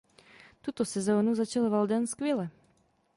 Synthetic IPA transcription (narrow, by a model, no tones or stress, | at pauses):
t̪ut̪osɛzoːnuzat͡ʃalvald̪ɛnskvjɛlɛ